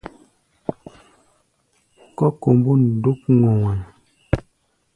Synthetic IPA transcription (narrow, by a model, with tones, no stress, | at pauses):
kɔ˦ko˨mbu˦n̩˨do˦k̚ŋo˨ŋɛ˨